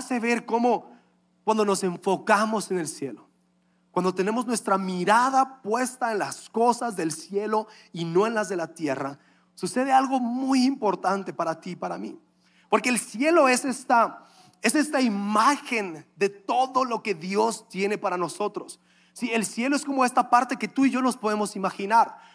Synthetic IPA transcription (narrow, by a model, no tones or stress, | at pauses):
aseβe̞ɾko̞mo̞ | kwand̪ono̞se̞ɱfo̞kamo̞se̞ne̞lsje̞lo | kwand̪o̞t̪e̞ne̞mo̞znwe̞st̪ɾamiɾaðapwe̞st̪aenlasko̞sazðe̞lsje̞lo̞ | ino̞e̞nlazðe̞lat̪je̞ra | suse̞ðealɣo̞mujimpo̞ɾt̪ant̪e̞paɾat̪ipaɾamḭ | po̞ɾke̞ːlsje̞lo̞e̞sest̪a | esest̪aimaxe̞nd̪e̞t̪o̞ðo̞lo̞ke̞ðjo̞st̪je̞ne̞paɾano̞so̞t̪ɾosː | ie̞lsje̞lo̞esko̞mo̞e̞st̪apaɾt̪e̞ke̞t̪uiʝo̞no̞spoðe̞mo̞simaxinaɾ